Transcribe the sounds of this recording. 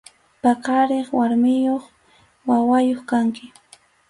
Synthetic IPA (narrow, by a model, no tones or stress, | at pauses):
pakaɾeχwaɾmɪjoχ | wawajoχkaŋkɪ